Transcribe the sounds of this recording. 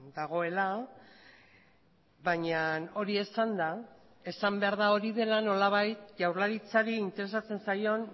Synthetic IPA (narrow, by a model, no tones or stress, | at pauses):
d̪aɣ̞o̞e̞la | βaɲano̞ɾie̞sand̪a | e̞sambe̞aɾð̞ao̞ɾiðe̞lano̞laβ̞ajt̪ʝawɾlaɾit͡saɾiint̪e̞ɾe̞s̬at͡se̞nsajo̞n